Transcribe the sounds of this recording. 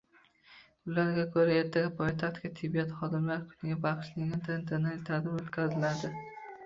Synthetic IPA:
ʊlaɾɡʲakʰɵɾae̞ɾt̪ʰaɡʲapʰojt̪ʰaχt̪kʲat̪ʰɪbːijat̪χɒd̪ɪmlaɾkʰʊ̥nɪɡʲabɑqʰɨ̥ʃnɪɪt̪ʰant̪ʰeɾnalt̪ʰad̪ɪmot̪kʲʰazɪlad̪ɪ

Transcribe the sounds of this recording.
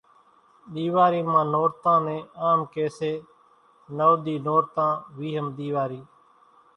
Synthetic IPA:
ɗ̪iːʋaːɾiːmãːnoːɾt̪ãːnẽːaːmkeːseː | nəːɗ̪iːnoːɾt̪ãːʋiːɦəmɗ̪iːʋaːɾiː

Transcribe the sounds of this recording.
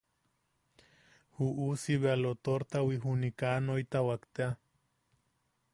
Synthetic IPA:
huʔusiβealot̪oɾt̪awiɦunikanoit̪awakt̪ea

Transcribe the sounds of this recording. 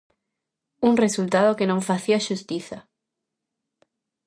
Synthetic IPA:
unresult̪aðokenõɱfaθiaʃust̪iθa

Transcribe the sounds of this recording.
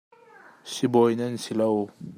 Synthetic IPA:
sibɔjnɐnsilow

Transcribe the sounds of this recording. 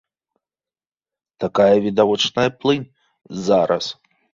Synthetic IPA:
t̪akajɐvʲid̪avɔt͡ʂnɐjɐplˠɨnʲ | zaɾɐs

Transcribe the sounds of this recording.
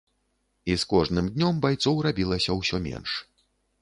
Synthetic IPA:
iskɔʐnɨmd̪ʲnʲɔmbajt̪sɔwrabʲilˠɐsʲɐwsʲɔmʲɛ̰nʂ

